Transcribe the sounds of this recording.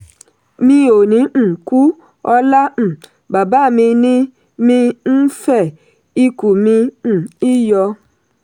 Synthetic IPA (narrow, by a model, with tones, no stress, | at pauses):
mi˦o˨nĩ˨˦n̩˨ku˦ | ɔ˦la˦m̩˨ | ba˨ba˦˨mĩ˧ni˦ | mĩ˦n̩˦fɛ˦˨ | i˦ku˨mi˧n̩˨i˦jɔ˧˦